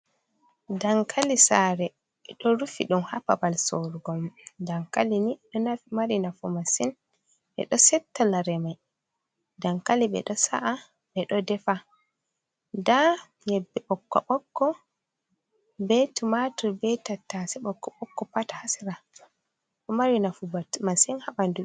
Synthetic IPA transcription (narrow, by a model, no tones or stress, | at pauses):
daŋkʰalisaɾɛ | ɛɗɔɾufḭɗumhapabalsoɾuɡɔmdaŋkaliniɗɔnafimaɾinafumasin | ɓɛ̰ɗɔsɛtːalaɾɛmaj | daŋkalibɛ̰ɗɔsa̰ʔa | bɛɗɔdɛfa | da | jɛbːɛɓɔkːɔ̰ɓɔkːɔ | bɛtumatubɛtatːasɛɓɔkːɔɓɔkːɔpatḁhasiɾa | kɔmaɾinafubamasinhaɓandui